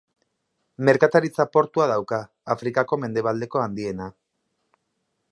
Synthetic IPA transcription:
me̞ɾkat̪aɾit͡sapo̞ɾt̪uaðawkaː | fɾikako̞me̞nd̪eβald̪e̞ko̞and̪ie̞na

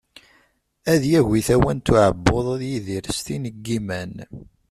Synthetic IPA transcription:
æðjæʝiθæwænt̪ːʊʕəbːoðˤðjiðiɾst̪inəɡːimæn

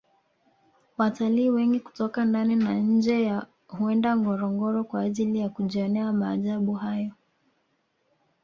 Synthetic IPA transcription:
wataliːwɛŋɡiku̥tɔkandaninaɲ̩d͡ʒɛja | huɛndaŋɡɔɾɔŋɡɔɾɔkwaːʄilijakuʄiɔnɛamaːʄaɓuɦajɔ

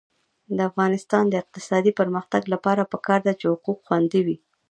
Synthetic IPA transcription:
d̪əafɣɑnɪst̪ɑnd̪əɪq̚t̪ɪ̥sɑd̪ipəɾməxt̪aɡlapɑɾapəkɑɾd̪at͡ʃehʊquqxwand̪iwi

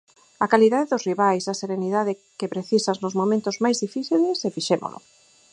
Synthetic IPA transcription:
ɐkaliðaðeðʊsriβajsɐseɾeniðaðɪkepɾeθisaznʊzmomẽnt̪ʊzmajzðifiθilesɛfiʃemo̰lʊ̰

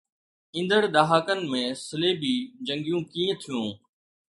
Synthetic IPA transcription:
ɪ̃nd̪əɽɗ̪aːɦaːkənmẽːsɪleːbiːd͡ʒə̃ŋɡijũːkiːə̃t̪ʰijũː

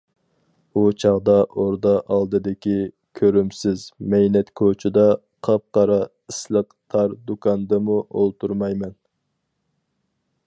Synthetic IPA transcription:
ut͡ʃʰɑʁd̪ɑʔoɾd̪ɑʔɑlˠd̪ɨd̪ɪkʲi | kʲʰøɾymsɪzmɛjnɛt̪kʰot͡ʃʰɪd̪ɑ | qʰɑp̚qɑɾɑ | islˠəqt̪ʰɑɾd̪ukʰɑnd̪ɨmuʔo̰lˠt̪uɾmɑjmɛn

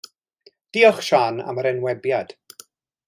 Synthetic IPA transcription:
d̥iːɔχʃaːna̰məɾɛnwɛbjad̥

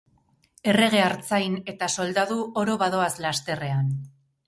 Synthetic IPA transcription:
e̞re̞ɣ̞e̞aɾt͡sajne̞t̪aso̞ld̪aðuʔo̞ɾo̞βaðo̞aslast̪e̞re̞an

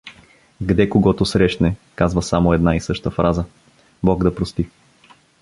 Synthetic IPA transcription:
ɡd̪ɛkoɡɔt̪ʊsɾɛʃnɛkazvəsamoɛd̪naisɤʃt̪əfɾʔazə | bɔɡd̪ɐpɾost̪i

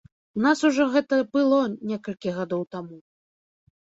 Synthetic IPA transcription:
unasuʐɔɣɛt̪ɐbɨlˠɔnʲɛkɐlʲkʲiɣad̪ɔwt̪amu

